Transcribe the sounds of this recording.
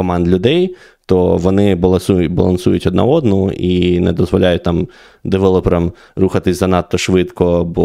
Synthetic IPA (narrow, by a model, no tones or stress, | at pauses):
ɔmɑnd̪lʲʊd̪ɛj | t̪ɔʋɔnɪbɐlˠɐsubɐlˠɐ̰nsujʊtʲɔd̪nɐ̰ɔd̪nɔʔinɛd̪ɔzʋɔlʲajʊt̚ʲt̪ɑm | d̪eʋɛlˠɔpɾɐm | ruxɐt̪ɪsʲzɐnɑt̪ːɔʃʋɪt̪kɔbɔ